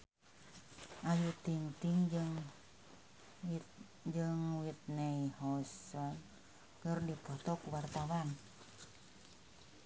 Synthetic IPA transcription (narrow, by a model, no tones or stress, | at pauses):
ʔajut̪iŋt̪iŋŋ | d͡ʒɨŋwit̪̚nɛihɔsɔn | kərdipɔt̪ɔkuwart̪awan